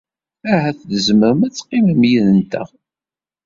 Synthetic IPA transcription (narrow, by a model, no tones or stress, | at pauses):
æɦæθðəzməɾəmæt͡sːqːiməmjiðənt̪ə̰ʁ